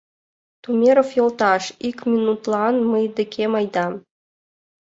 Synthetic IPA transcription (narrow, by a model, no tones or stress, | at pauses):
t̪umʲeɾofjolˠt̪ɑʃikmʲinut̪lˠɑnmɤjd̪ɘ̆kʲʰemɑjd̪ɑ